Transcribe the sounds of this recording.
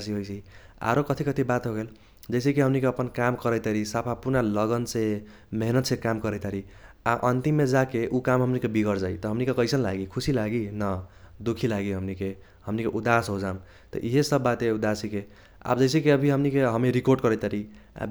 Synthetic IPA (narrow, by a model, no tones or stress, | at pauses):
siɦojsʰi | a̰ɾokʌt̪ʰikʌt̪ʰibat̪ɦoɡel | d͡ʒʌjs̬ekiɦʌmnikeʌpənkamkʌɾəjt̪aɾisapʰapunalʌɡənse | meɦnət̪sẽkamkʌɾəjt̪aɾia̰ʔʌnt̪imːed͡ʒakeʔukamɦʌmnikebiɡʌɾd͡zait̪ʌɦʌmnikekʌjsʌnlaɡikʰusilaɡinʌd̪ukʰilaɡiɦʌmnike | hʌmnikeʔud̪asɦod͡zam | t̪ʌ̰ʔiɦesʌbːat̪eud̪asike | a̰bd͡ʒʌjsekiʌbʱiɦʌmnikeɦʌmiɾikoɾɖkʌɾəjt̪aɾi | a̰b